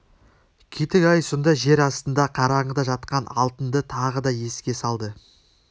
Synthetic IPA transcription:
kʲʰijt̪ɪkɑjsond̪ɑʒe̞ɾɑst̪ənd̪ɑqʰɑɾɑɴəd̪ɑʒɑt̪qɑnɑ̰lˠt̪ənd̪ət̪ʰɑʁəd̪ɑje̞skʲe̞sɑlˠd̪ə

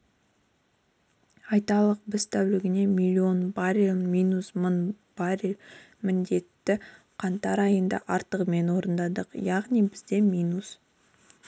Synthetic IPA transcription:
ɑjt̪ɑlˠəq̚bɪz̥t̪ʰæwlɪɡʲɪne̞mʲilʲːio̞nbaɾilmijnusmən | b̥ɑɾil | mɪnd̪e̞t̪ːɪ | qʰɑnt̪ɑɾɑjənd̪ɑ̰ʔɑɾt̪əʁme̞nwo̞ɾənd̪ɑd̪əqjɑʁnijbɪzd̪e̞mʲijnus

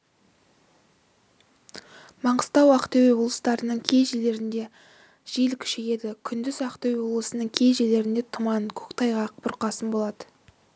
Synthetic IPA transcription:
mɑɴəst̪ɑwɑqt̪ewewolˠəst̪ɑɾənəɴkʲʰe̞jʒele̞ɾɪnd̪e̞ | ʒ̥elkʲʰʏ̥ʃeje̞d̪ɪkʲʰʏnd̪ɪzɑqt̪ewewoblˠəsənəɴkʲʰe̞jʒele̞ɾɪnd̪e̞t̪ʰʊmɑnəkʲʰɵ̥kt̪ʰɑjʁɑqbʊɾqɑsənbo̞lˠɑd̪ə

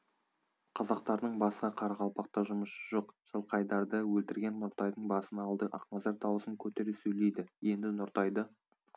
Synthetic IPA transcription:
qʰɑzɑq̚t̪ɑɾd̪əɴbɑsqɑqʰɑɾɑʁɑlˠpɑq̚t̪ɑʒʊməʃəʒoqʒ̥əlˠqʰɑjd̪ɑɾd̪əwɵlt̪ɪɾɡʲe̞nːʊɾt̪ɑjd̪əɴbɑsənɑlˠd̪əʔɑ̰qmɑzɑɾd̪ʰɑwəsəŋkʲʰɵt̪e̞ɾɪsɵjle̞jd̪ɪje̞nd̪ɪnʊɾt̪ɑjd̪ə

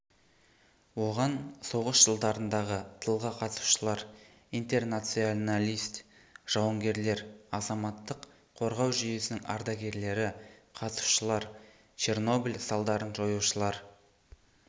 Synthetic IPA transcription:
wo̞ʁɑnso̞ʁəsʒ̥əlˠd̪ɑɾənd̪ɑʁət̪ʰəlˠʁɑqʰɑt̪su̥ʃəlˠɑɾ | int̪e̞rnat̪sijonalʲijst̪ | ʒ̥ɑwəŋɡʲe̞ɾle̞ɾɑzɑmɑt̪ːəq | qʰo̞ɾʁɑwʒʏje̞sɪnɪŋʔɑ̰ɾd̪ɑɡʲe̞ɾle̞ɾɪqʰɑt̪su̥ʃəlˠɑɾ | t͡ʃʰe̞rno̞bilʲsɑlˠd̪ɑɾənʒo̞juʃəlˠɑɾ

